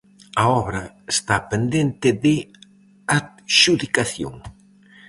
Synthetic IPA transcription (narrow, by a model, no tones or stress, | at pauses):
ɐɔβɾɐ | est̪apend̪ent̪ɪðɪ | at̪ | ʃuðikaθjo̰ŋ